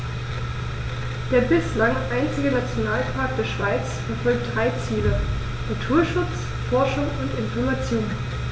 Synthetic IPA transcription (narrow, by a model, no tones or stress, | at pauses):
d̥eːɐbɪslaŋʔaɪnt͡sɪɡənat͡sjonaːlpʰaːɐk̚td̥eːɐʃv̥aɪt͡sfɛɐfɔlk̚d̥ʁaɪt͡siːlə | natʰuːɐʃʊt͡s | fɔɐʃʊŋʊntɪnfɔɐmat͡sjoːn